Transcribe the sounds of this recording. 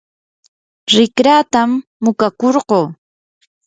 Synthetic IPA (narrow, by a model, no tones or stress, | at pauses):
ɾɪkɾaːt̪amːʊkakoɾɢoː